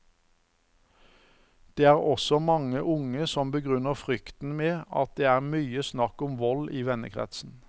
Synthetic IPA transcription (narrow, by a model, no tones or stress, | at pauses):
d̪̥eːæːʁɔsɔmɑŋəʔʊŋəsɔmbəɡʁʏnəʁfʁʏkt̪n̩meːɑ̰t̪̚d̪eːæːʁmyːəsnɑkʊmʋɔliːʋɛnə̰kʰʁɛ̰t̪sn̩